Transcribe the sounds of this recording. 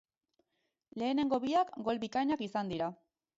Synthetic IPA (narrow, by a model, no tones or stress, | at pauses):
le̞ːne̞ŋɡo̞βiakɡo̞lβikajɲakisand̪iɾa